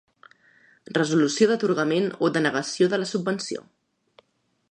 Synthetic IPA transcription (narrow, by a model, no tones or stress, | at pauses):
rəzulusioðət̪uɾɣəmenoðənəɣəsioðələsubbənsio̰